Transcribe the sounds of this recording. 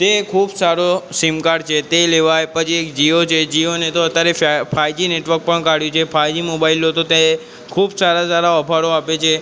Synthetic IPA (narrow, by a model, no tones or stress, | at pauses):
t̪ekʰubsaɾosimkaɽt͡ʃʰet̪eleʋajpət͡ʃʰiekd͡ʒiot͡ʃʰed͡ʒionet̪oət̪jaɾefajd͡ʒineʈʋəɾk̚pəɳkaɽjũt͡ʃʰefʰajd͡ʒimobailot̪ot̪e | kʰubsaɾasaɾaəpʰaɾoapet͡ʃʰe